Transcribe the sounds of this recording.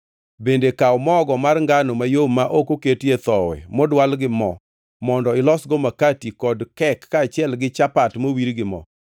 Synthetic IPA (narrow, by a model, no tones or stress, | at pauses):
bendekaɔmɔɡɔmarŋɡanomajomaʔokoketjet̪ɔwɛ̰mɔdwalɡɪmɔ | mɔndɔɪlɔsɡɔmakatikɔdkɛkːaːt͡ʃɪɛlɡɪt͡ʃapatmowiɾɡɪmɔ̰